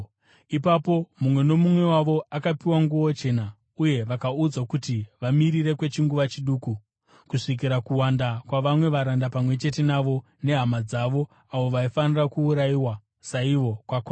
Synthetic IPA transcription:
ipapo̞mumwe̞no̞mumwe̞waʋo̞akapiwaŋɡuot͡ʃe̞ːna | uje̞ʋakaud͡zakutiʋamiɾire̞kwe̞t͡ʃiŋɡuʋat͡ʃiɗuːku | kuʂik̬iɾakuwandakwaʋamwe̞ʋaɾandapamwe̞t͡ʃe̞te̞naʋo̞ | ne̞ɦamad͡zaʋo̞ | aʋo̞ʋaifanirakuːɾaiwa | saiʋo̞kwakwa

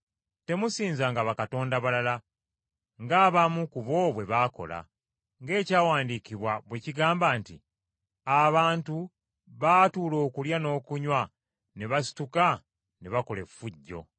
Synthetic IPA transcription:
te̞musiːnzaŋɡaβakato̞ːndaβalala | ŋɡaːβamukuβo̞βwe̞βaːko̞̰la̰ | ŋɡe̞ːcaːwaːndiciβwaβwe̞ciɡaːmbaːntḭ | aβaːntu | βaːtuːlo̞ːkuljano̞ːkuɲwa | neβasi̥tuka | neβako̞le̞fuɟːo̞̰

